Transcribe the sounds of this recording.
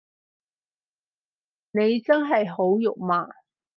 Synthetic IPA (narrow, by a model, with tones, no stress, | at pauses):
ne˨˧jt͡sɐ˥nɦɐ˨jho˨˥wjʊ˨k̚maː˨